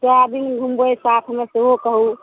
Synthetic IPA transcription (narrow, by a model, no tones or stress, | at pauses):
t̪ɔabʱinɡʱumbojsat̪ʰmeseokəɦu